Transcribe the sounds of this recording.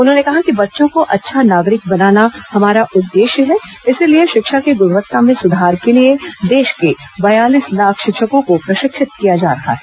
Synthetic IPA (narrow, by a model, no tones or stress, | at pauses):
ʊnɦõːnekɐɦakibɐtːʃõkoʔɐtːʃʰanaːɡɾɪk̚bɐnaːnahɐmaːɾaʔʊd̪ːeːʃjəɦɛ | ɪsilieʃɪkʃakeɡʊɾʋət̪ːamẽsʊd̪ʱaːɾkelied̪eːʃke | bɐjaːliːslaːkʰʃɪkʃəkõkopɾɐʃɪkʃɪt̪̚kijad͡ʒa̰ːɾɐɦa̰ɦɛ